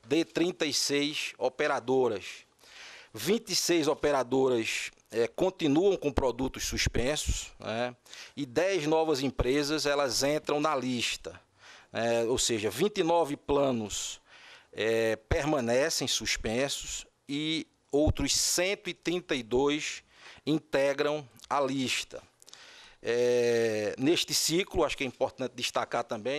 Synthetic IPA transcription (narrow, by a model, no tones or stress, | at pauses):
d̪et̪ɾĩnt̪ɐisejsɔpeɾad̪oɾɐs | vĩt̪isejzɔpeɾad̪oɾɐs | ɛkõt̪ĩnuɐ̃w̃kõpɾɔd̪ut̪ʊssuspẽsʊsnɛɪd̪ɛjznɔvɐzĩpɾezɐzɛlɐzẽnt̪ɾɐ̃w̃nɐliʃt̪ɐ | nɛowseʒɐvĩt̪inɔvɪplɐ̃nʊs | ɛpeɾmɐ̃nɛsẽj̃suspẽsʊs | ɪ | owt̪ɾʊsːẽnt̪ʊit̪ɾĩnt̪ɐid̪ojs | ĩnt̪ɛɡɾɐ̃w̃ɐliʃt̪ɐ̰ | ɛ | neʃt̪ɪsiklʊaʃʊ̥kɛĩpoɾt̪ɐ̃nt̪ɪd̪iʃt̪akaɾt̪ɐ̃mbẽj̃